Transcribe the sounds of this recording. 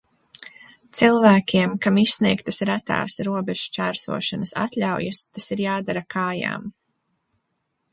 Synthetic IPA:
t̪silˠvæːkʲiɛmkamisːniɛkt̪ɐsɾæt̪a̰ːsɾuɔbɛʒ̥ut͡ʃæːɾsṵɔʃanɐsa̰t̪lʲawjast̪asiɾjaːd̪aɾakʰaːja̰ːm

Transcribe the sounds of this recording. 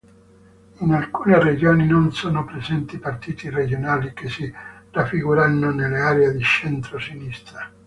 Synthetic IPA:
inalkuːnered͡ʒoːninonsoːnopɾezɛnt̪ipart̪iːt̪ired͡ʒonaːlikesirafːiɡuɾanːonelːeaːɾeed̪it͡ʃɛnt̪ɾosinist̪ɾa

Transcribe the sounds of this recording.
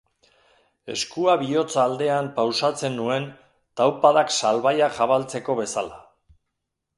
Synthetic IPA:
e̞̰skuaβio̞t͡saːld̪e̞ampawsat͡se̞nːue̞n | t̪awpaðaksalβajaʝaβalt͡se̞ko̞βe̞sala

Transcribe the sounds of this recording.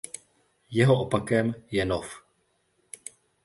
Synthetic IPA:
jɛɦoʔopakɛmjɛnof

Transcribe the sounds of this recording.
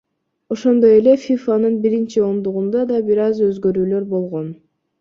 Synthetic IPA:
o̞ʃo̞nd̪o̞je̞le̞fʲifanɯnbiɾint͡ʃio̞nd̪uʁund̪ɑd̪ɑbiɾɑzø̞zɡø̞ɾyːlø̞ɾbo̞lˠʁo̞n

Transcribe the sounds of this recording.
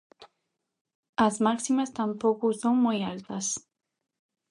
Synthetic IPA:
azmaksimast̪ampokusoŋmujalt̪as

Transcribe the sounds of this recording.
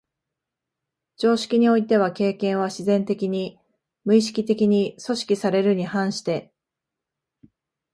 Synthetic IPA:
d͡ʑo̞ːɕi̥kʲiɲ̟io̞it̪e̞β̞ake̞ːkẽɰ̃βaɕizẽ̞nt̪e̞kʲiɲ̟i | mɯ̟iɕi̥kʲit̪e̞kʲiɲ̟iso̞ɕi̥kʲisaɾe̞ɾɯ̟ɲ̟ihãɰ̃ɕi̥t̪e̞

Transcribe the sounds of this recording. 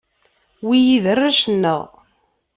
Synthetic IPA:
wijiðərːaʃənːəʁ

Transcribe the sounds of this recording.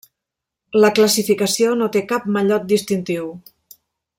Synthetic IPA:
ləkləsifikəsionot̪ekap̚məʎɔt̪̚d̪ist̪int̪iw

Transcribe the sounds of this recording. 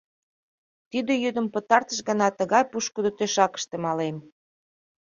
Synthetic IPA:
t̪yd̪ĕjød̪ə̆mpət̪ɑrt̪əʃɣə̆nɑt̪əɣɑjpuʃkəd̪ot̪øʃɑkə̥̆ʃt̪ĕmɑlem

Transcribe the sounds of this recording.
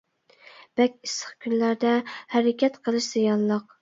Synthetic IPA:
b̥ɛkʲisə̥χkʲʰynlæɾd̪ɛhæɾɪkʲʰɛt̪qʰəlˠɨʃz̥ijɑnlˠəq̚

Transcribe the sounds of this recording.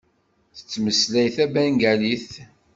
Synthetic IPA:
θə̥t͡sːməslæjθæbæŋɡæliθ

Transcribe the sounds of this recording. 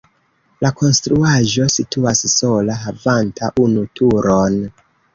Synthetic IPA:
lakʰo̞nstɾuaʒo̞sitʰuassolaɦavantʰaʔunutʰuɾon

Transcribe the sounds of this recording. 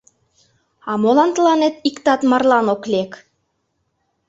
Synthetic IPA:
ɑmolɑnt̪əlɑnet̪ikt̪ɑt̪mɑrlɑnoklʲek

